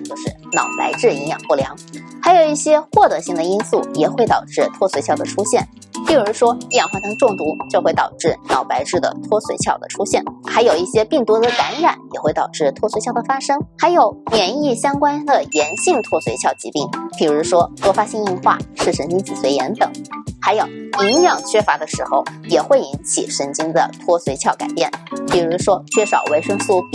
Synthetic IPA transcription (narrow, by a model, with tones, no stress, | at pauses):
t͡ɕjo˥˧ʊʂɻ̩˥˩nɑ̰˨˩ʊpa̰˧˥ɪʈ͡ʂɻ̩˥˩i˧˥ŋjɑ̰˨˩ŋxwɔ˥˩ljɑ̰˧˥ŋxa˧˥ɪjo˨˩ʊi˥˩ɕjɛ˥xwɔ˥˩t̪ɤ˧˥ɕi˥˩ŋd̪ə˩i˥nsu˥˩jɛ˨˩xwe˥˩ɪt̪ɑ˨˩ʊʈ͡ʂɻ̩˥˧t̪ʰwɔ˥swe˧˥ɪt͡ɕʰjɑ˥˩ʊd̪ə̰˩ʈ͡ʂʰu˥ɕjɛ˥˩n | pi˥˩ɻu˧˥ʂwɔ˥i˥˩jɑ˨˩ŋxwa˥˧˩t͡ɕŋ˧ʈ͡ʂʊ˥˩ŋt̪u˧˥t͡ɕjo˥˧ʊxwe˥˩ɪt̪ɑ˨˩ʊʈ͡ʂɻ̩˥˩nɑ˨˩ʊpa˧˥ɪʈ͡ʂɻ̩˥˩d̪ə̰˩t̪ʰwɔ˥swe˧˥ɪt͡ɕʰjɑ˥˩ʊd̪ə̰˩ʈ͡ʂʰu˥ɕjɛ˥˩nxa˧˥ɪjo˨˩ʊi˥˩ɕjɛ˥pi˥˩ŋt̪wu˧˥d̪ə˨ka˧˥nɻa˨˩˦njɛ˨˩xwe˥˩ɪt̪ɑ˨˩ʊʈ͡ʂɻ̩˥˩t̪ʰwɔ˥swe˧˥t͡ɕʰjʊdə˩fa˥ʂɤ˥ŋxa˧˥ɪjo˨˩ʊmjɛ˧˩ni˥˩ɕjɑ˥ŋkwa˥nd̪ə˨jɛ˧˥nɕi˥˩ŋt̪ʰwɔ˥swe˧˥ɪt͡ɕʰjɑ˥˩ʊt͡ɕi˧˥t̪i˥˩ŋpi˨˩ɻu˧˥ʂwɔ˥lwɔ˥˩fa˥ɕi˥ŋi˥˧nxwa̰˥˧ʂɻ̩˥˩ʂə˧˥nt͡ɕi˥ŋt͡ɕʰi˨˩swe˧˥ɪjɛ˧˥nt̪ɤ˨˩˦ŋxa˧˥ɪjo˨˩ʊi˧˥ŋjɑ˥˩ŋt͡ɕʰɥɛ˥fa˧˥d̪ə˧ʂɻ̩˧˥xo˥˧ʊjɛ˨˩xwe˥˩ɪi˧˥nt͡ɕʰḭ˨˩ʂə˧˥nt͡ɕi˥ŋd̪ə̰˨t̪ʰwɔ˥swe˧˥ɪt͡ɕʰjɑ˥˩ʊka̰˨˩ɪpjɛ˥˩npi˨˩ɻu˧˥ʂwɔ˥t͡ɕʰɥɛ˥˩ʂɑ̰˨˩ʊwe˧˥ɪʂɤ˥ŋsu˥˧p